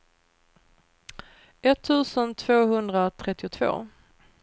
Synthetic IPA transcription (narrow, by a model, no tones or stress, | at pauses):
ɛt̪ʰːʉ̟ːsənt̪ʰv̥oːɦɵnd̪ɾat̪ʰɾɛt̪ːɪʊt̪ʰv̥o̰ː